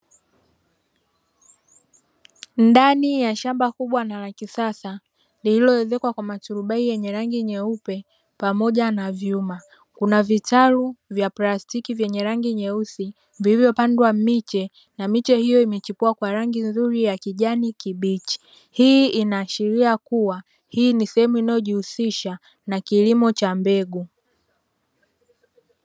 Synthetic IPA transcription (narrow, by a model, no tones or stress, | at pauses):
ndanijaʃambakuɓwanalakisasa | lililɔɛzɛkwakwamatuɾuɓaijɛɲɛɾaŋɡiɲɛupɛ | pamɔʄanavjuma | kunavitaɾuvjaplastikivjɛɲɛɾaŋɡiɲɛusi | viivjɔpandwamit͡ʃɛ | namit͡ʃɛhijɔimɛt͡ʃipuakwaɾaŋɡinzuɾijakiʄanikiɓit͡ʃi̥ | hiːinaːʃiɾiakuwa | hiːnisɛhɛmuinajɔʄihusiʃa | nakilimɔt͡ʃambɛɡu